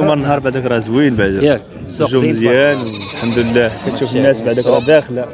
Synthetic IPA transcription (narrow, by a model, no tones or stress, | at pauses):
mɑɾənːɦɑɾˤbaʕd̪ækɾˤɑzwinbaʕd̪ | ʒuməzjænħamd̪əlːæhkæt̪ʃufənːæsbaʕd̪ækɾˤɑd̪æxla